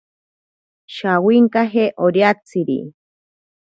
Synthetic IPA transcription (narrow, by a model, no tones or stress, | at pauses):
ʃawiŋkaɦeʔoɾjat͡siɾḭ